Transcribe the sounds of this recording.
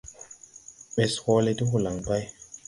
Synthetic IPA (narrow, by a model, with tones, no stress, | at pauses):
ɓe˨shɔ˦le˦ti˦ɦu˨la˨ŋba˦j